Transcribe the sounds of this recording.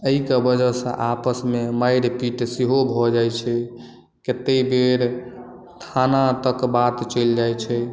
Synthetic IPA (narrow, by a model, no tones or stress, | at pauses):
əikebəd͡ʒəsə̰̃ʔapəsmemajɾpiʈsiɦobʱɔd͡ʒajt͡ʃʰɛ | ket̪ːebeɾ | t̪ʰanat̪əkbat̪t͡ʃəld͡ʒajt͡ʃʰɛ